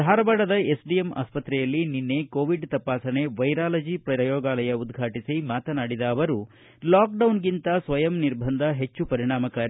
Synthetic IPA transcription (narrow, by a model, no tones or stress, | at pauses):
d̪ʱaːɾɐbaːɽɐd̪ɐe̞sɖijemʔa̰ːspɐt̪ɾɛjɐlːininːe̞koːʋiɖt̪ɐpaːsɐne̞ʋɐjɾaːlɐd͡ʒipɾɐɐjɔːɡaːlɐjɐud̪ɡʱaːʈisimaːt̪ɐnaːɽid̪ɐːʋɐɾu | laːk̚ɖɐwnɡint̪ɐsʋɐjɐmniɾbʱɐnd̪ʱɐɦe̞t͡ʃːupɐɾiɳ̃aːmɐkaːɾi